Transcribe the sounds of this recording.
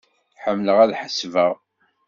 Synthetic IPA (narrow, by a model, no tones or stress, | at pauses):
ħəmːləʁæðħəsvəʁ